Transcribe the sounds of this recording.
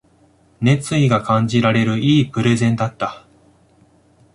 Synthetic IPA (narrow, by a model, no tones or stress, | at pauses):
ne̞t͡sɨiɡakãɲ̟d͡ʑiɾaɾe̞ɾɯ̟iːpɯ̟ɾe̞zẽ̞nd̪at̪ːa